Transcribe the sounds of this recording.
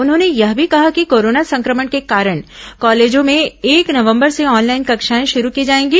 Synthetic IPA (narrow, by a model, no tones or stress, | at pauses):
ʊnɦõːnejɐɦbʱikɐɦakikoːɾoːnasɐ̃ŋkɾəməɽkekaːɾəɽ̃kɔːleːd͡ʒõmẽeːknɐʋə̃mbəɾseɔːnlaːɪnkɐkʃaːẽʃʊɾukiːd͡ʒaːẽːŋɡiː